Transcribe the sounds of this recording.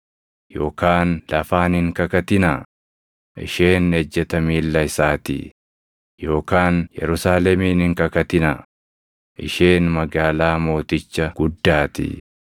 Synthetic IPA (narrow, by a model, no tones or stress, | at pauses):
jo̞ːkaːnlɐfaːnɪŋkɐkɐt̪ɪna | ʔɪ̰ʃe̞ːnɛd͡ʒːɛt̪ɐmiːlːɐɪsaːt̪ḭ | jo̞ːkaːnjɛ̰ɾʊsaːlɛmiːnɪŋkɐkɐt̪ɪnɐ | ʔɪ̰ʃe̞ːnmɐɡaːlaːmo̞ːt̪ɪt͡ʃːɐɡ̥ʊd̪ːaːt̪ɪ̰